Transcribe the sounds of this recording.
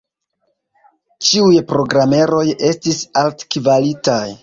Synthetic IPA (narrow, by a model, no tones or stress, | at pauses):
t͡ʃiujpɾo̞ɡɾame̞ɾo̞je̞stisaltkivalitaj